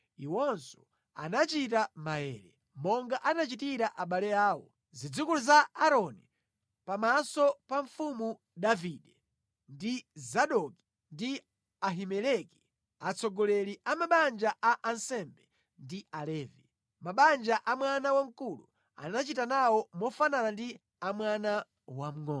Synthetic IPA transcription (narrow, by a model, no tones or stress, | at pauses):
iwɔnsɔ̥ | a̰nat͡ʃitamaɛ̰ːɾɛ | mɔŋɡaʔanat͡ʃitiɾaʔaɓalɛaːwɔ̰ | zid͡zukuluzaaɾɔni | pamasɔpaɱfumu | ɗaviɗɛ | ndizaɗɔki̥ | ndi | aɦimɛlɛki̥ | at͡sʰɔɡɔlɛliʔamaɓand͡ʒaʔaʔansɛmbɛ | ndialɛːvi | maɓand͡ʒaʔamwanawaŋ̩kulṵ | a̰nat͡ʃitanawɔmɔfananandi | amwana | wam̩ŋɔ